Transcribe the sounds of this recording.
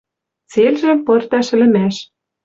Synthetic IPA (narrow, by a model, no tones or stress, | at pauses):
t͡selʒɘ̆mpɤ̆rt̪ɑʃɘ̆lɘ̆mæʃ